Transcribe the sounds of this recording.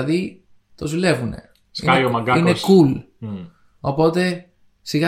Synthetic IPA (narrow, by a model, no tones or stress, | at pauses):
ði | t̪o̞zule̞vune̞̰ | skɐiomɐɡɐineskul | o̞po̞t̪e̞ | siɣɐ